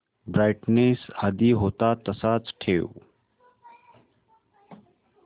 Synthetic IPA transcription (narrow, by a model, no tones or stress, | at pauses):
bɾaːɪʈneːsad̪iɦoːt̪aːt̪ɐsaːt͡sʈʰeːṵ